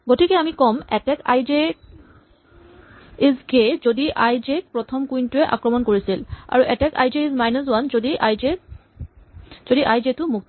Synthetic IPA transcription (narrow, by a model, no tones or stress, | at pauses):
ɡotʰikɛamikɔmɛtɛka̰jd͡ʒe | izɡezodiʔajzek̚pɹɔt̪ʰɔmkujntuɛʔa̰kɹɔmɔnkoɹisila̰ɹuʔɛtɛka̰jdiizmajnɔswanzodiʔaje | z̥odiʔajd͡ʒetʊmuk̚t